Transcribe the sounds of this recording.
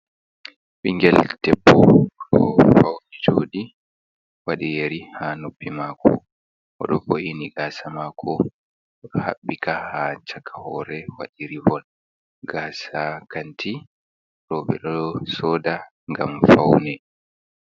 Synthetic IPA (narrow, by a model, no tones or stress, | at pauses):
ɓiŋɡɛldɛpːɔɗɔ̰fawnɛd͡ʒoːɗi | waɗijeɾihanopːimakʰɔ̰ | ɔ̰ɗɔ̰foʔiniɡaːsamaːkʰɔ | ha̰ɓːikʰahat͡ʃakʰahɔɾɛwa̰ɗiɾivɔn | ɡaːsakantʰi | ɾɔbɛ̰ɗɔɗɔsɔːda | ŋɡamfawnɛ